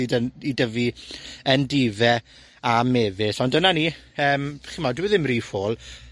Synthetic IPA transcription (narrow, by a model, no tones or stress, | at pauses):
idənidəviəndivɛ | ameːvɪsɔndənani | əːmb̥χimadɪwɛðɪmriːfoːlˠ